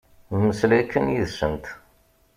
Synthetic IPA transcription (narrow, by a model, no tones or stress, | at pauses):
məslækːənjiðsənt̪